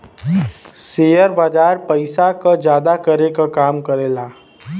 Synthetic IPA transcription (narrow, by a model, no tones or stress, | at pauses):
seːjəɾbaːd͡ʒaːɾpəɪsakad͡ʒjaːd̪akəɾekakaːmkəɾeːlaː